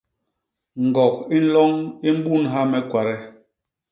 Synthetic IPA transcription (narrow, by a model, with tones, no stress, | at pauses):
ŋ̩˨ɡɔ˨ki˦n̩˦lɔ˦ŋi˦m̩˦bu˦˨nɦa˦mɛ˨˦kwa˨ɾɛ˦